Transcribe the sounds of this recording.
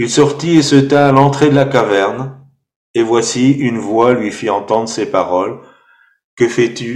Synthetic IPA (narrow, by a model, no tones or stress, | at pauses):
ilsɔʁt̪iesət̪aːlɑ̃t̪χed̪əlakavɛʁn | evwasiynvwalɥifiɑ̃t̪ɑ̃d̪ʁəsepaʁɔl | kəfɛt̪y